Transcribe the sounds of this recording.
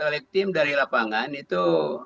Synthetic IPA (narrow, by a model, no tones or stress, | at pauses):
alɛk̚t̪ɪmdaɾilapaŋanit̪u